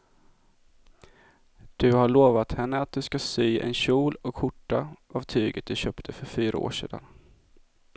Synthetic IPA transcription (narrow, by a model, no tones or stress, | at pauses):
d̪̥ɵhaɭoːvat̪hɛnːəat̪̚d̪ɵskasyːʔɛ̰nɕuːlɔkhʊʈːaʔavt̪ʰyːɡət̪̚d̪ɵɕœːpt̪ʰəfœɾfyːɾa̰o̰ːʂeːd̪a̰n